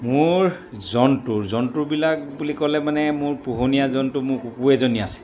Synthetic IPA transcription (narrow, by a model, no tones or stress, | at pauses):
mʊɹ | zɔntuɹzɔntuɹbilak̚bulikɔlɛmanɛmʊɹpuɦonijazɔntumʊɹkukuɛzoniasɛ̥